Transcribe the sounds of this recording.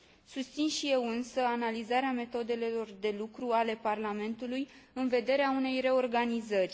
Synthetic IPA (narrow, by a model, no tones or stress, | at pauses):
sust̪sinʃije̞wɨnsəanalizaɾeame̞t̪o̞d̪e̞le̞lo̞rd̪e̞lukɾuale̞parlame̞nt̪ulujɨnve̞d̪e̞ɾeaune̞jre̞o̞rɡanizərʲ